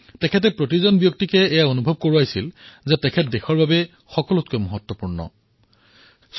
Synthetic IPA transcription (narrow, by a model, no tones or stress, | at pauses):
tɛkʰɛt̬ɛpɹot̬izɔnbjok̚tikɛːjaonubʱɔb̚koɹuajsilzɛtɛkʰɛtdɛxʰɔɹbabɛ | xɔkɔlɔtkɛmɔɦɔtːwɔpuɹnɔ̰ | s